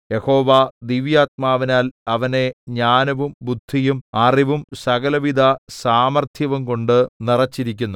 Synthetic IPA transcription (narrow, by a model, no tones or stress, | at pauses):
jeho̞ːʋad̪iʋjaːt̪̚maːʋinaːlɐʋɐne̞ɲaːnɐʋumbud̪ʱːijumɐriʋumsɐɣɐlɐʋid̪ʱɐsaːmɐrt̪ʰjɐʋumko̞ɳɖɨnirɐt͡ɕːiɾikʲːunːu